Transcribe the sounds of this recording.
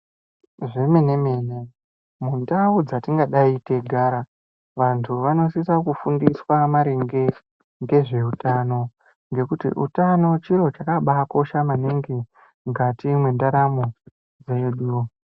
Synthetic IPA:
ʐe̞me̞ne̞me̞ːne̞ | mundaud͡zatiŋɡaɗaite̞ɡʱaːɾa | ʋantʰuʋano̞sisakufundiswamaɾeŋɡe̞ | ŋɡe̞ʐe̞utano̞ | ŋɡe̞kutḭʔṵtano̞t͡ʃiɾo̞t͡ʃakaɓako̞ʃamaniŋɡi | ŋɡatimwendaɾamo | d͡zeɗu

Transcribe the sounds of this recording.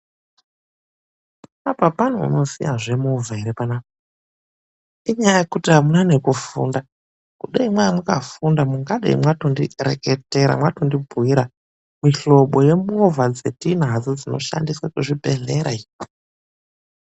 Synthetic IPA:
apapan̤uṵno̞sḭjaʐe̞muvʱaeɾepanaːka | iɲajajekutiɦamunane̞kufṵːnda | kuɗaimwaimukafundamuŋɡaɗḛḭmwatondirekete̞ɾa̰mwatondibʱuiɾa | miɬo̞ɓo̞je̞muvʱad͡ze̞tin̤ad͡zod͡zino̞̰ʃa̰ndiswakuʐibʱe̞ɮeɾai

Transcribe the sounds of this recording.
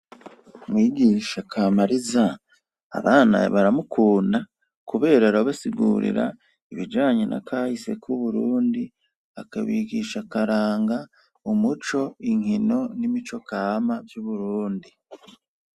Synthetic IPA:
mwiːɡiːʃakʰamaɾiza̰ː | βaːna̰βaɾamukʰuːnda | kuβe̞ːɾaɾaβasiɡuːɾḭɾa̰ | iβid͡ʒaːɲenʔa̰kʰaːhise̞̰kʰuβuɾuːndi | akaβiːɡiʃakaɾaːŋɡa | umut͡ʃo̞iŋino̞nimit͡ʃo̞kamavjuβuɾuːndi

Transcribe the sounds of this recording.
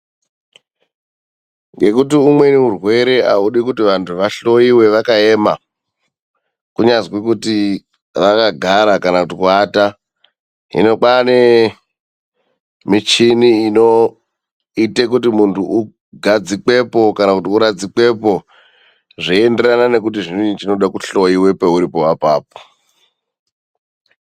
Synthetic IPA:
ŋɡe̞kut̬iumwe̞neurwe̞ɾe̞ʔauɗikutiʋantʰuʋaɬo̞iwe̞ʋakaema̰ | kuɲazwek̬uti | ʋakaɡʱaɾakanakutikuaːta | ɦḭno̞k͡pane | mit͡ʃiniino̞ | ite̞kutimuntʰuʔu | ɡʱad͡zik͡pe̞po̞kanakutiuɾad͡zik͡pwe̞po̞ | ʐiende̞ranane̞k̬ut̬iʐiniit͡ʃino̞ɗakuɬo̞jiwe̞pe̞uɾipo̞wapaːp̚o̥

